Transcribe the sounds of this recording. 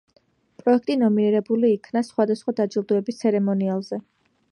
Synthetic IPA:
pʼɾɔɛk̚ʰt̪ʼinɔminiɾɛbuliːkʰnasχwad̪asχwad̪ad͡ʒilˠd̪uɛbist̪sʰɛɾɛmɔnialˠzɛ

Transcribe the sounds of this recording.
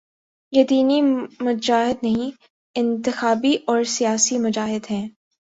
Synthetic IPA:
jɐt̪iːnimʊd͡ʒaːɦɪd̪nɐɦĩ | ɪ̃nt̪ɪxaːbiʔɔːɾsijaːsimʊd͡ʒaːɦɪd̪ɦɛ̃ː

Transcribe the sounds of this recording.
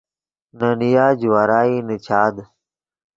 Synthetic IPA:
nənijaːd͡ʒwaːɾaːiːnət͡ʃʰaːd̪

